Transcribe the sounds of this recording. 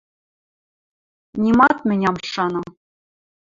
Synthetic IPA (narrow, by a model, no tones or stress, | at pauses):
nʲimɑt̪̚mʲɘ̆nʲɑmʂɑnɤ̆